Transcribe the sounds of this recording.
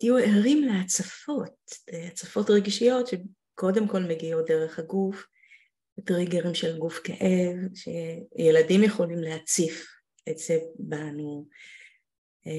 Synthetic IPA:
tijueʁimleat͡safo̞t̚at͡safo̞tʁeɡʃijo̞tʃe | ko̞de̞mko̞lmeɡiodeʁe̞χhaɡuf | etʁiɡeʁimʃelɡufkeʔevʃejeladimjeχo̞limlehat͡sif | etz̥ebanu

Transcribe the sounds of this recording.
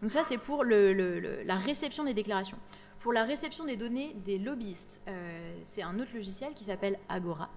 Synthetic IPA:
dd̪ɔ̃ksasɛpuʁlələlə̰laʁesɛpsjɔ̃d̪ed̪eklaʁasjɔ̃ | puʁlaʁesɛpsjɔ̃d̪ed̪ɔned̪elɔbiist̪øsɛt̪ɛ̃not̪χlɔʒisjɛlkʲi̥sapɛlaɡɔʁa̰

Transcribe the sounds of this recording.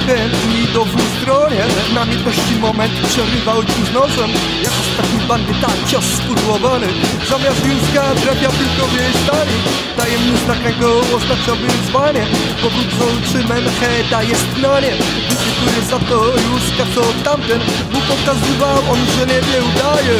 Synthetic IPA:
t̪ɛnmʲid̪ɔd̪vust̪ɾɔɲɛ | namʲɛt̪ɛʂt̪imɔmɛnt̪pʂɛɾɨvawpuznɔsɛm | jakɔst̪akʲipand̪ʲɛt̪akt͡ɕasːfuɾuwɔvanɨ | zamʲjast̪ɡiskad̪ɾapʲjapuwk̪ɔvʲjɛst̪aɾi | d̪ajɛmɲist̪akɛɡɔɔznat͡ʂawɨzvaɲɛ | pɔvɾut̪sɔwt͡ʂɨmɛmxɛd̪ajɛst̪naɲɛ | dutɛkt̪uɾɛzat̪ɔjuʂkaksɔt̪amt̪ɛn | bupɔkazɨvawɔnʐɛɲɛvʲjɛud̪ajɛ

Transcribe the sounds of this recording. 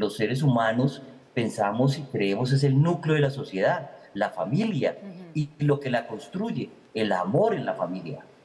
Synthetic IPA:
lo̞sːeɾe̞s̬umano̞s | pe̞nsamo̞s̬ikɾe̞emo̞s̬e̞s̬e̞lnukleoðelaso̞sje̞ðaðlafamiljailo̞ke̞lako̞nst̪ɾuʝe̞ | ela̰mo̞ɾe̞nlafamilja̰

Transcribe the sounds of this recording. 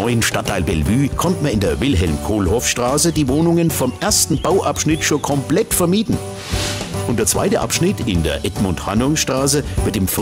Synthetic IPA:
ɔʏənʃtatʰːaɪlbɛlvyːkʰɔntmaɪndeːɐvɪlɦɛlmkʰoːlhɔfʃtʁ̥aːsədiːvoːnʊŋənfɔmʔeɐstn̩baʊʔapʃnɪtʃoːnkʰɔmplɛtfɛɐmiːdn̩ | ʔʊntd̥eːɐt͡sv̥a̰ɪtə̰ʔa̰pʃnɪtɪndḛːɐʔɛtmʊntha̰nʊŋʃtʁ̥aːs̬əvɪɐtɪmf

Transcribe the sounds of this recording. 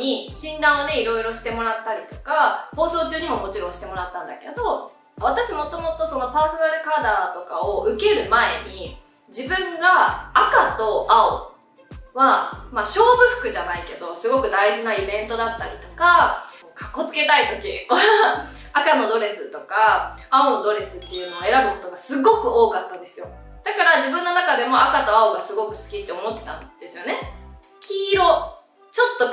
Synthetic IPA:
iɕĩnd̪ãɰ̃one̞iɾo̞iɾo̞ɕi̥t̪e̞mo̞ɾat̪ːaɾʲit̪o̞̥kaho̞ːso̞ːt͡ɕɨːɲ̟imo̞mo̞t͡ɕiɾõɕi̥t̪e̞mo̞ɾat̪ːãnd̪ake̞̰d̪o̞ | β̞at̪aɕimo̞t̪o̞mo̞t̪o̞so̞no̞paːso̞naɾɯ̟kaːd̪at̪o̞ka̰oɯ̟ke̞ɾɯ̟mae̞̰ɲ̟i | d͡ʑibɯ̟̃ŋɡaːkat̪o̞ʔao | βamaɕo̞ːbɯ̟ɸɯ̟̥kɯ̟ʑanaike̞d̪o̞sɨɡo̞kɯ̟d̪aiʑinaibẽ̞nt̪o̞d̪at̪ːaɾʲḭt̪o̞̥kaoːkʰḁkːo̞t͡sɨ̥ke̞t̪ait̪o̞kʲiβa | akano̞d̪o̞ɾe̞sɨt̪o̞kaaond̪o̞ɾe̞sɨt̪ːe̞jɯ̟ːno̞ːe̞ɾabɯ̟ko̞t̪o̞ɡasɨɡo̞kɯ̟o̞ːkat̪ːãnd̪e̞sɨjo̞ | d̪̥akaɾaʑibɯ̟̃nːo̞nakad̪e̞mo̞akat̪o̞aoɡasɨɡo̞kɯ̟̥sɨ̥kʲit̪ːe̞o̞mo̞t̪ːe̞t̪ã̰nd̪̥e̞sɨjo̞ne̞ | kʲiːɾo̞ | t͡ɕo̞t̪ːo̞

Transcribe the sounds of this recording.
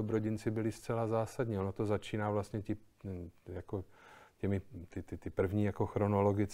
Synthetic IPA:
obɾo̞ɟɪnt͡sɪbɪlɪst͡sɛlazaːsad̪ɲionot̪ozat͡ʃiːnaːvlast̪ɲɛcɪ | jako̞cɛmɪt̪ɪt̪ɪt̪ɪpr̩vɲiːjako̞xɾo̞no̞lo̞ɡɪt͡s

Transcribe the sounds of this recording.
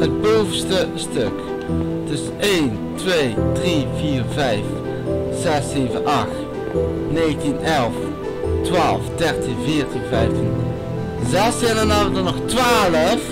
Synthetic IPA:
əd̚bowvənstəstøk | dɵsəeːn | tʋejdriviːrvɛjf | z̥ɛseːvənʔɑχt | neːɣtinʔɛlˠf | tʋaːlˠfdɛɹtinvɪːɹtinvɛjftin | zɛsɪnənavədənɔχtʋaːləf

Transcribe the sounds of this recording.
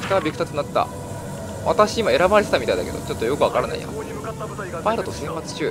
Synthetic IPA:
sɨ̥kaabʲikɯ̟t̪at͡sɨnat̪ːa̰ | a̰t̪aɕiimae̞ɾabaɾe̞t̪et̪amit̪aid̪a̰ke̞̰d̪o̰t͡ɕo̞t̪ːo̞jo̞kɯ̟βakaɾana̰ḭjo̰t̪ː | paiɾo̞t̪o̞sẽmpat͡sɨ̥t͡ɕɨː

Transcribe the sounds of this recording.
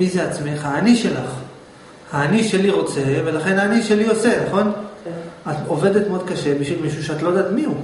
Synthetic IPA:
mize̞at͡smeχhaːniʃe̞laχ | haːniʃe̞liʁo̞t͡se̞ve̞laχe̞naːniʃe̞lio̞se̞naχo̞n | atove̞det̪meo̞d̪̚kaʃe̞biʃvilmiʃuʃeat̪lo̞jd̪aːt̪miu

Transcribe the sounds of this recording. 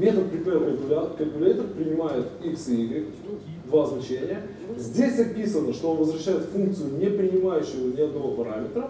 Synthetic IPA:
mʲɛnəpɾʲɪmʲeɾpəb̪ʊlʲat̪kɐbʲʊlʲɛt̪əfpɾʲɪnʲɪmajət̪iksiɡɪ | d̪vaznɐt͡ʃenʲɪjə | zʲdʲesʲɐpʲisənəʃt̪onvəzɾɐʃːajət̪fuŋk̚t̪sɨjʊnʲɛpɾʲɪnʲɪmajʊɕːɪvənʲɛɐd̪novəpɐɾamʲɛt̪ɾə

